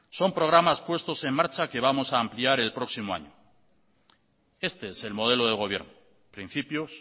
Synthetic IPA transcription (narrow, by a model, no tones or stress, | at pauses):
so̞mpɾo̞ɣ̞ɾamaspwe̞st̪o̞se̞mmːaɾt͡ʃake̞β̞amo̞saːmpliaɾe̞lpɾo̞ksimoa̰ɲo | e̞st̪eese̞lmo̞ð̞e̞loð̞eɣo̞β̞je̞ɾno | pɾin̟θipjos